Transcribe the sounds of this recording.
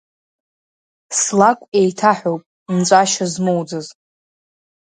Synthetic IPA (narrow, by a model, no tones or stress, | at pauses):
slakʷʼejtʰaħʷᶣowpʼ | mt͡sʷʼaʃazmowd͡zɨz